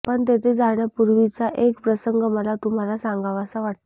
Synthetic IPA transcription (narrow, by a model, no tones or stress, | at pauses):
pəɳt̪et̪ʰed͡zaɳjapuɾʋit͡saʔekpɾəsəŋɡəməlat̪um̤alasãŋɡʱaʋasaʋaʈ̚t̪